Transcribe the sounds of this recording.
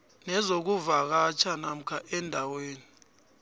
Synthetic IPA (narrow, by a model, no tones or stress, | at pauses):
nɛzok̬uvak̬at͡ʃʰanam̩kʰaʔɛndʱaweːni